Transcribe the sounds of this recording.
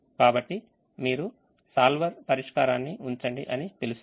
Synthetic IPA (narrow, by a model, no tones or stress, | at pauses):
kaːbɐʈːi | miːɾu | saːlʋɐɾpɐɾiʂkaːɾaːnːiuɲt͡ʃɐɳɖḭʔɐnit̪elus